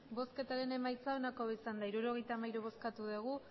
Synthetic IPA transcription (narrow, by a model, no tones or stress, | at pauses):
bo̞ske̞t̪aɾe̞ne̞majt͡saonakoisand̪aiɾuɾo̞ɣ̞e̞jt̪amajɾuβo̞skat̪uðeɣ̞u